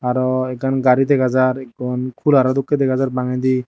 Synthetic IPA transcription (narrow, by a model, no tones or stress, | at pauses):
aɾɔɛkanɡaɾid̪ɛɡazaɾɛkːɔnkʰulaɾad̪ukːɛd̪ɛɡazaɾbaŋɛd̪i